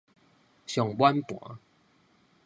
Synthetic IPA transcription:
ɕjɔ˨˩ŋbwa˦npwɔ̰˨˦

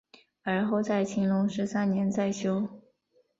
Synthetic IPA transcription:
ə˞˧˥xo˥˧ʊt͡sa˥˩ɪt͡ɕʰi˧˥ŋlʊ˧˥ŋʂɻ̩˧˥sa˥nnjɛ˧˥nt͡sa˥˩ɪɕjo˥ʊ

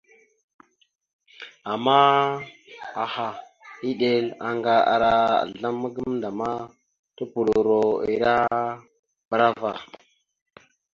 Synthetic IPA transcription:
a˨ma˦ | a˨ha˨ | i˦ɗe˦la˨ŋɡa˦a̰˨ɾa˦a̰˨ɮa˦mːa˦ɡə˦mnda˨ma˦ | tu˦pu˨ɾo˨ɾo˨ḭ˨ɾa˦ | ba˦ɾa˦va˨

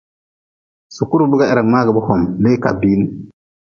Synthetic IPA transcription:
su˨kːu˦ɾu˦bu˦ɡa˦˨e˨ɾa˨ŋma˦ɡi˨bu˦hɔ˨mle˦ka̰˨biː˦n

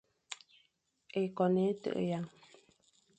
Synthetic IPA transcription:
e˨kɔ˨ne˨˦tə̰˦˨ʔja˨˦˨ŋ

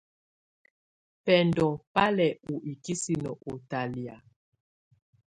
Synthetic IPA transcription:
pɛ˨ndɔ˨pa˦lɛ˨u˨ʔi˨ki˦si˦nɔ˨ʔo˨ta˨li˨a̰˨

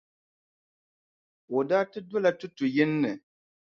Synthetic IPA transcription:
o˨daː˦tɨ˦dɔ˦la˦tʊ˦tʊ˨jɛ˦nːɨ˨

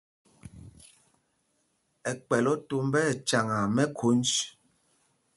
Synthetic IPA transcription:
ɛ˨k͡pɛ˨lɔ˦to˦m˦bɛ˦˨t͡ʃa˨ŋa˨mɛ˦kʰu˨˦nt͡ʃ

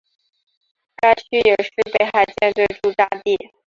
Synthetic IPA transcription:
ka˥ɪt͡ɕʰy˥jɛ˨˩ʂɻ̩˥˧pe˥˩ɪxa˧˥˩ɪt͡ɕjɛ˥˧nt̪we˥˧ɪʈ͡ʂu˥˩t̪a˥˧t̪i˥˩

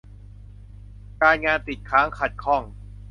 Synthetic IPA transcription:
kaː˧nŋaː˧nt̪i˨˩kʰaː˦˥ŋkʰa˨˩t̪̚kʰɔ˥˩ŋ

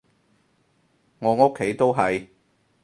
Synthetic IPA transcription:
ŋɔː˨˧ŋo˥kʰːe˨˥jt̪o˥wɦɐ˨j

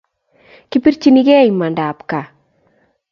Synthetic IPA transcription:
ki˦pi˦ɾt͡ʃi˦ni˦ɡɛ˦i˨ma˨nda˨pka˨

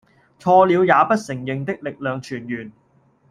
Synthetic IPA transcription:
t͡ʃʰɔː˧liː˨˧wjaː˨˧pɐ˥t̚sɪ˨˩ŋjɪ˨ŋt̪ɪ˥k̚lɪ˨k̚lœː˨ŋt͡ʃʰyː˨˩njyː˨˩n

